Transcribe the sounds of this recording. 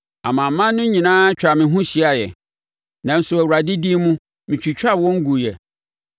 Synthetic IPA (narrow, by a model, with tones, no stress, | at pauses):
a̰˨mã˨˦mã˦nnːʊ̃˦ɲĩ˨nãː˦t͡ɕᶣa˨mɪ̃˨ɦʊ̃˦ɕi˨a˨jɛ̰˨ | nã˨n̩˨˦sʊ˨æ˨a˨dɪ˦di˦mũ˦ | mɪ̃˨t͡ɕʰᶣi˨t͡ɕᶣa˦˨wɔ̃˦ŋ̩˦ɡu˨jɛ˨